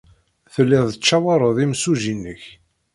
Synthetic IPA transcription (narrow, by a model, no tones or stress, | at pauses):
θəlːiðˤət͡ʃːæwɑɾˤəðˤimsuʒinːəç